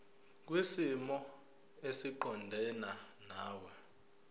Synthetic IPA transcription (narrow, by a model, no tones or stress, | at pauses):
k̬wisimɔ | esiǃɔndʱɛnanaːwɛ